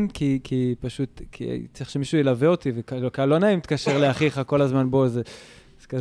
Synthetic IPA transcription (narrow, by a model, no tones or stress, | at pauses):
nkikʰipaʃutkʰḭt͡siχʃemiʃujelaveo̞tivekaokalo̞naimit̪kaʃeʁleaχiχako̞lazmanbo̞ze | zeka